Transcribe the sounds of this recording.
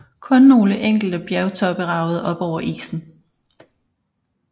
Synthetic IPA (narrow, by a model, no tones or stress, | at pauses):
kʰɔ̽nːo̝ːləʔeŋ̰ɡ̥l̩d̥əb̥jæɐʊt͡sʰɒ̽b̥əʁɑ̈ʊð̞̩ˠʔɒ̽b̥ɒʊ̰ɐʔḭːsn̩